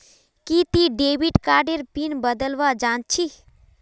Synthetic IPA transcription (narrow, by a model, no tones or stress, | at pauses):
kit̪iɖeːʋiʈkaːɖeɾpinbəd̪əlʋad͡ʒãːnt͡ʃʰi